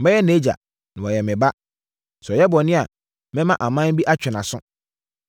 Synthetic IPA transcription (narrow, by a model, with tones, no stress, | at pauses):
mɛ̃˦jɛ˦ne˨˦d͡ʑa̰˨ | nã˨wɔ˨jɛ˨mɪ̃˨ba˦ | sɛ˨jɛ˦bɔ˨nɪ̃˦a˨ | mɪ̃˦mã˦ʔa˨mã˦bi˦ʔa˦t͡ɕᶣɪ˨nã˨sʊ̰̃˦